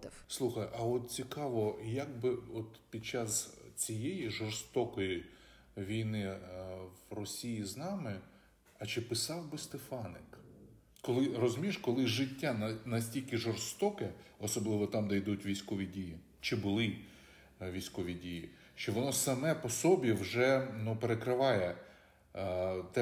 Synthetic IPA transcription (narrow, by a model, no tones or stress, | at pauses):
slˠuxɐjʔɐɔt̪̚t͡sʲikɑʋɔjaɡ̚bɪɔt̪pʲid̪̚t͡ʃɑst͡sʲijejiʒɔrst̪ɔkɔji | ʋʲijnɪwrɔsʲijiznɑmɪ | ɐt͡ʃɪpɪsɑwbɪst̪efɑnɪk | kɔlˠɪrɔzʊmʲiʃkɔlˠɪʒɪtʲːannɐsʲtʲilʲkɪʒɔrst̪ɔkɛɔsɔblˠɪʋɔt̪ɑmd̪ɐjd̪utʲʋʲijsʲkɔʋʲidʲiji | t͡ʃɪbʊlˠɪ | ʋʲijsʲkɔʋʲidʲiji | ʃt͡ʃɔʋɔnɔsɐmɛpɔsɔbʲiwʒɛnupeɾekɾɪʋɑjɛ | t̪ɛ